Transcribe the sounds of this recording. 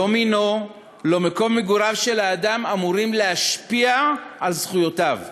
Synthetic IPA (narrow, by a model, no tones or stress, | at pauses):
omino̞ | lomeko̞mːeɡuʁavʃe̞laːdamamuʁimleaʃpiaːlzχujo̞tav